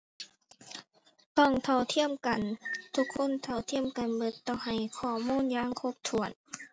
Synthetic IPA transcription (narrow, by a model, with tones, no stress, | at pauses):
t̪ɔː˧˩ŋt̪ʰɔ˧˩wt̪ʰi˧˥˨əmka˨nt̪ʰu˧˥kʰːo˧˥˨nt̪ʰa˧˩wt̪ʰi˧˥˨əmka˨nbɤ˧˥t̪ːɔː˧˩ha˨˩jkʰɔː˧˩muː˧˥˨njaː˧˥˨ŋkʰo˧˥p̚t̪ʰu˨˩ən